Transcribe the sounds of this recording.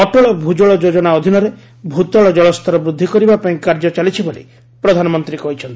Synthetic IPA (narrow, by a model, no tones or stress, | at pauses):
ɔʈɔɭɔbʱud͡ʒɔɭɔd͡ʒod͡ʒɔnaɔd̪ʱinɔɾe | bʱut̪ɔɭɔd͡ʒɔɭɔst̪ʰɔɾɔbɾud̪ʱːikɔɾibapaĩkaɾd͡ʒɔt͡ʃalit͡ʃʰibolḭ | pɾɔd̪ʱanɔmɔnt̪ɾikɔɦit͡ʃʰɔnt̪i